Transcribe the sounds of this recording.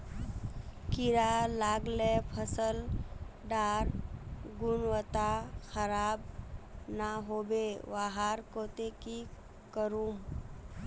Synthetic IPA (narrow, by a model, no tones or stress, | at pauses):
kɪɾalaːɡlepʰəsəlɖaːɾɡʊnʋət̪axəɾaːbnaɦoːbeʋaɦaɾkoːt̪eki | kəɾum